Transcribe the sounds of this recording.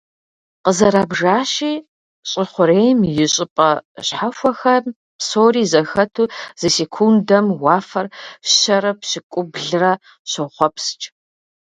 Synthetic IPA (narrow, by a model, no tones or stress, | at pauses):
qəzɐɾaːbʐaːɕiː | ɕʼɪχʷʊɾeːjmjɪɕʼɪpʼɐɕħaxʷɔxɐ | psoːriːzɐxɐtʰuːz̥ɨsekʷʰundɐmwɑːfɐrɕɐɾɐpɕɪkʷʼʊbɮɨrɐ | ɕɐχʷɔpʰst͡ʃʼ